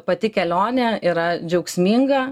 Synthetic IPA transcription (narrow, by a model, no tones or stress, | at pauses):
pɐt̪ʲɪkʲɛlʲoːnʲɛiːɾɐd͡ʒʲɛʊksʲmʲiːŋɡɐ